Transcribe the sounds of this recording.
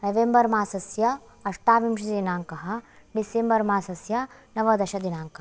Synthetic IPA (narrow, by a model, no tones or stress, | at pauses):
nɐʋembɐɾmaːsɐsjɐ | ɐʂʈaːʋimʃɐinaːŋkɐɦɐ̆ | ɖisembɐɾmaːsɐsjɐnɐʋɐd̪ɐʃɐd̪inaːŋkɐ